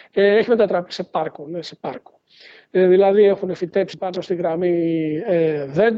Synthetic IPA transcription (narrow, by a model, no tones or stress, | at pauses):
eeçimet̪ɐt̪ɾɐpi̥se̞pɐɾkonesepɐɾko̥ | eðilɐðiexunefit̪epsipɐɾsost̪iɣɾɐmieðe